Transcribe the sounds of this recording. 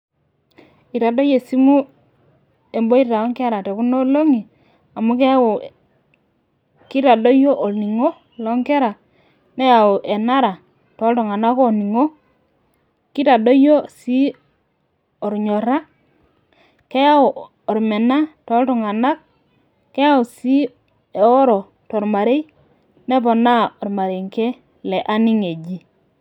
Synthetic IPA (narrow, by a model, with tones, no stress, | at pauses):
i˨ta˨do˦je˨si˦mu˦ | e˨mbo˦i˦ɾta˨ɔ˦ŋkɛ˦ɾa˨te˨ku˦no˦lo˦ŋi˨ | a˨mu˦ke˦wo˨ | ki˦ta˨do˦jo˦ʔo˨ni˨ŋo˦ | lɔ˨˦ŋkɛ˦ɾa˨ | ne˦ja˨o˨ʔe˨na˦ɾa˨ | to˨˦ltɔ˨ŋa˨na˦ko˦˨ni˨ŋo˦ | ki˦ta˨do˦jo˦si˦ | o˨ɾɲo˨ɾa˦ | ke˦ja˦o˨ | o˨ɾme˨na˦to˨˦ltu˨ŋa˨na˦k̚ | kːe˦ja˦u˨si˦ | e˨o˦ɾo˨ | to˨ɾma˨ɾe˦i˦ | ne˦po˨na˦o˨ɾma˨ɾe˨ŋke˦ | le˨ʔa˦ni˦ŋe˨d͡ʒi˦